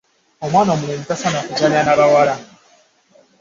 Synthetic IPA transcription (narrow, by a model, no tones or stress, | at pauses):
omwaːnomuɾeːmitasanakuɡaɲanaβawaɾa